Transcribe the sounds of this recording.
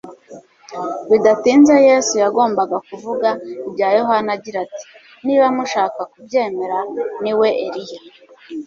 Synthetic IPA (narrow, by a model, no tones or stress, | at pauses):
widatiːnzejeːsujaɡo̞ːmbaɡakuvuɡaibɟajo̞ɦanaɟiɾati̥ | niβamuʃaːkakubje̞ːme̞ɾaniwe̞ʔeɾija